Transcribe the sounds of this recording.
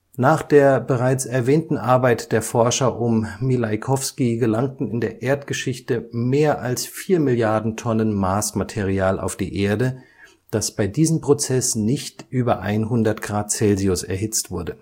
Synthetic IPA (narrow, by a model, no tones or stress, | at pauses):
naːχd̥eːɐbəʁ̞aɪt͡sɛɐvɛːntn̩ʔaɐbaɪtd̥eːɐfɔɐʃɐʔʊmmilaɪkʰɔfskiɡəlaŋtn̩ɪndeːɐʔeːɐtɡ̥əʃɪçtəmeːɐʔalsfiːɐmɪljaɐdn̩tʰɔnənmaːsmatʰeʁiaːla̰ʊfd̥ḭːʔeːɐdə | d̥asb̥aɪdiːzəmpʁ̥ot͡sɛsnɪçtʔyːbɐʔa̰ɪnɦʊndɐtɡ̥ʁaːt̚t͡sɛlziʊsɛ̰ɐɦɪt͡stv̥ʊɐdə